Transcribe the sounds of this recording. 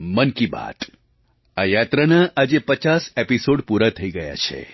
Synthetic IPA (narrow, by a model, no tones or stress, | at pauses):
mənkiba̰t̪ | ajat̪ɾanaʔad͡ʒepət͡ʃasepisoɖpuɾat̪ʰəiɡəja̰t͡ʃʰḛ